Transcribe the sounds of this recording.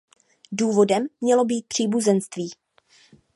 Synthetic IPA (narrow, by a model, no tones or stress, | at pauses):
duːvo̞dɛmːɲɛlo̞biːt̪̚pr̝̥iːbuzɛnst̪viː